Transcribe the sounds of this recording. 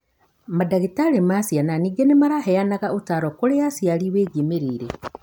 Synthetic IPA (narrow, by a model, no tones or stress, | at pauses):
madaɣitaɾemasjananiːɡenemaɾaɦɛanaɣaotaɾɔkoɾejasjaliweːɡimeɾiːɾe